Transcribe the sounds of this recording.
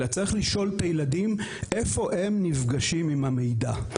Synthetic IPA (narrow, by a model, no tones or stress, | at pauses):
at͡saʁiχliʃo̞lt̪ajeladime̞fo̞ʔe̞mnivɡaʃimimhamejda